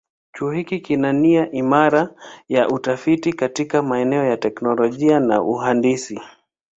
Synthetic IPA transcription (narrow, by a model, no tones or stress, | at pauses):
t͡ʃuːhikikinaniaʔimaɾajaʔutafitikatikamaɛnɛɔjatɛknɔlɔʄiana̰ʔuɦandisi